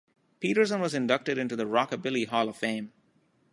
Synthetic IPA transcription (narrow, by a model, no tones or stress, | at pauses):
piːɾə˞s̬ə̃nwʌzɨ̃ndʌk̚tɨɾɪ̃ntuðəɹɑkəbɪlˠiɦɔlˠʌv̥fẽɪ̃m